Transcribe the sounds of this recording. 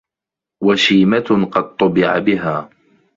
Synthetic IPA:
waʃiːmaqɑd̪̚t̪ˤːʊbɪʕa̰bɪɦaː

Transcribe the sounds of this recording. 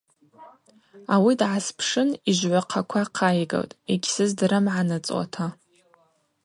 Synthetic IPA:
awidʕaspʰʂɨniʒʷʕʷaqʰakʷʰaqʰajɡa̰wtʼeɡʲsɨzdɾɨmʕanɨt͡sʼwa̰tʰa

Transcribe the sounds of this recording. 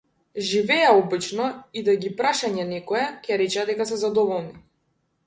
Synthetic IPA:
ʒivɛjaɔbit͡ʃnɔid̪aɡipɾaʃaɲɛnɛkɔjɛcɛaɾɛt͡ʃɛad̪ɛkasɛzad̪ɔvɔlˠni

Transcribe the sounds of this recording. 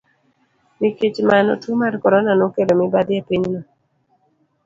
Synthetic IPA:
miket͡ʃmanɔ̰tumarkɔɾɔnanokedomibad̪jepiɲnɔ

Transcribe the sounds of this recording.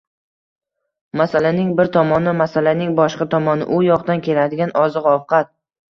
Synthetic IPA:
masalanɪŋbɪɾt̪ʰɒmɒnɪmasalanɪŋbɒʃqɑt̪ʰɒmɒnɪ̰ʔʊjɒqd̪ankʲʰe̞lad̪ɪɡʲanɒzɨqɒfqɑt̪̚

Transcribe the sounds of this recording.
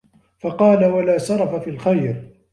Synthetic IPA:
fɑqɑːlawalaːsɑɾˤɑfafiːlxajɾ

